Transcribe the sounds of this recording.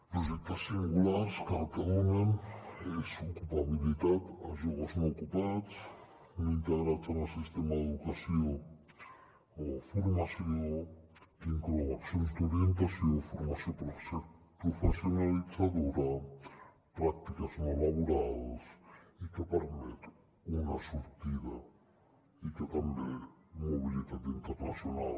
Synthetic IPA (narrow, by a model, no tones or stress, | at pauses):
pɾoʒek̚t̪asiŋɡulaɾskerk̪eonenesokupaβilit̪at̪aʒoɣosokupat͡s | nint̪eɣɾat͡sanasist̪emaðeðukasjo | ofuɾmasjoo | iŋkɾoaksõnsd̪oɾjent̪̬asjoŋfoɾmasjõpɾo | pɾofesjonalisaðoɾa | pɾak̚t̪ikasonelaβoɾaðosikepeɾmet̪ | unasuɾt̪iða | ikek̪ambemoβilet̪at̪int̪eɾnasjona̰l